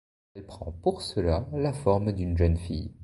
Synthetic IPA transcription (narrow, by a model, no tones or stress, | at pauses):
ɛlpχɑ̃puʁsəlalafɔʁmd̪ynʒənfḭj